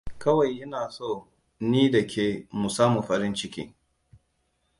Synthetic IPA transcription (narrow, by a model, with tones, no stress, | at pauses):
kɐ˦wa˨jʔɪ˦naː˨so˦˨ | niː˦dɐ˨kʲʰeː˨mu˨saː˦mu˨ɸɐ˦ɾɪ˦nt͡ʃɪ˦kʲḭː˦